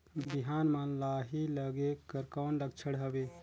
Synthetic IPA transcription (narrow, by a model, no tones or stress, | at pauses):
biɦaːnmanlaɦiləɡekəɾkanɖək̚t͡ʃʰəɽɦəbe